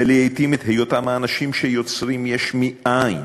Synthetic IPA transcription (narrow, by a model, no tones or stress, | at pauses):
eliejt̪imit̪hejot̪amaːnaʃimʃejo̞t͡sʁimjeʃmiʔajn